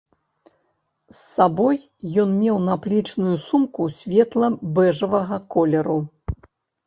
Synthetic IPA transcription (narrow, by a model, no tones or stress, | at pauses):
sːabɔj | jɔnmʲɛwnɐplʲit͡ʂnujusumkusʲvʲɛt̪lˠɐbɛʐɐvɐɣɐkɔlʲɛɾu